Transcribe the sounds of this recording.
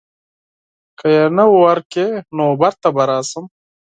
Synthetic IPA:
kəjenawowɐɾkenoːbɐɾt̪ɐbɐɾaːsəm

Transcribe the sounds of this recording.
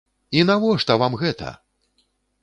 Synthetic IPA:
inavɔʂt̪ɐvamɣɛt̪ɐ̰

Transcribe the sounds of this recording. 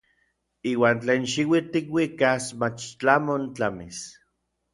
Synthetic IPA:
iːwaːnt͡ɬeːnʃiwit̪ikwikasmat͡ʃt͡ɬamont͡ɬamis

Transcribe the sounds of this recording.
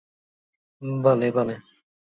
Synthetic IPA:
bɐlebɐle

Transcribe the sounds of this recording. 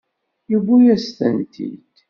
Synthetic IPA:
juɡʷujæst̪ənt̪ʰḭd̪

